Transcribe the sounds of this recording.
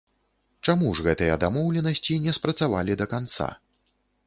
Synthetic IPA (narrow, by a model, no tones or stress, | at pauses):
t͡ʂamuʐɣɛt̪ɨjɛd̪amɔwlʲɛnɐsʲt͡sʲinʲɛspɾɐt̪sava̰lʲid̪ɐkant̪sa̰